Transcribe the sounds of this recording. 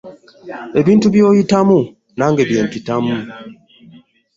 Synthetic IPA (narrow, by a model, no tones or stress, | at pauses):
e̞βiːntuβjoːjitamu | naːŋɡeβjeːmtitamu